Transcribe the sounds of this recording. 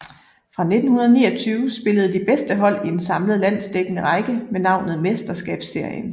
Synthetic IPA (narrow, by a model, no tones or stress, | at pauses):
fʁɑ̈ne̝d̥n̩hunɐð̞ˠnḭːɒt͡sʰyːʊsb̥e̝ləð̞̩ˠd̥ib̥esd̥əɦɒ̽l̰iensɑ̈mləð̩ˠlæn̰sd̥eɡ̥ənəʁɑɪɡ̥əmenɑ̈ʊ̰nð̩ˠmesd̥ɐsɡ̥ɛ̰ːb̥sːe̝ɐjən